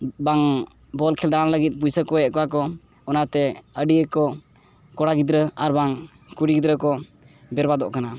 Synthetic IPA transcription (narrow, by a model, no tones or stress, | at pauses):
baŋ | bɔlkʰɛld̪aɾanləɡit̪̚p̬ujsəkɔjɛʔ̪̚kɔwakɔ | ɔnat̪ɛəɖiəkɔ | kɔɽaɡid̪ɾəaɾbaŋ | kuɽiɡid̪ɾəkɔ | bɛɾbad̪ɔʔkana